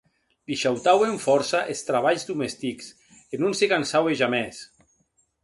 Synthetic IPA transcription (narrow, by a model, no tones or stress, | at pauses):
liʃawt̪aweɱfɔɾsaʔest̪ɾaβaʎzd̪umest̪iks | enunsekansaweʒamɛs